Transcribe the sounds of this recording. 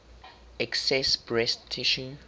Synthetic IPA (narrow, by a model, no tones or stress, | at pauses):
ɛksɛsbɹɛstʰiʃu